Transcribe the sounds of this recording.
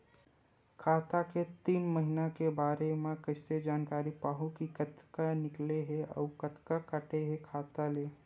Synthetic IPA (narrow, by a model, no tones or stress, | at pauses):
kʰaːt̪aket̪iːnməɦinakebaːɾemẽkɐɪsed͡ʒaːnkaːɾipaːɦũkikət̪kanɪkleɦeɔ̰ːkət̪kakəʈeɦekʰaːt̪aleː